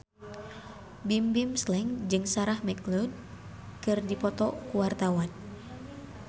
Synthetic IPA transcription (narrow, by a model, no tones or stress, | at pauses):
bimbimslɛŋd͡ʒɨŋsaɾahmɛklɔd̚ | kɨrdipɔt̪ɔkuwart̪awan